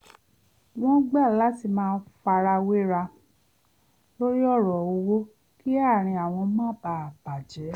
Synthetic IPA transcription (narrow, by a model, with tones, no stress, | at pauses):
wɔ̃˦ɡ͡ba˦˨la˨˦ti˧mãː˦˧˦fa˧ɾa˧we˦ɾa˧ | lo˦ɾi˦ɔ˦˨ɾɔ˨o˧wo˦ | ki˦a˦˨ɾ̃ĩ˧a˨w̃ɔ̃˧˦mã˦ba˧˦˨ba˨d͡ʒɛ˨˦